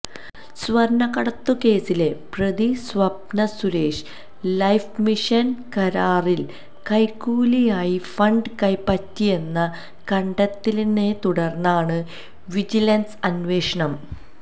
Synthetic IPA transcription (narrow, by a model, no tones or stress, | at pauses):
sʋɐɾɳɐɣɐɽɐt̪ːuke̞ːsile̞prɐd̪isʋɐbnɐsuɾe̞ːʂɨ̥ | lɐjfmiʂɐnkɐɾaːril | kɐjkːuːlijaːjifɐɳɖɨkɐjpɐtːije̞nːɐ | kɐɳɖɐt̪ːilnet̪uɽɐrnːaːɳɨ | ʋid͡ʑilɐnsɐnʋe̞ːʂɐɳɐm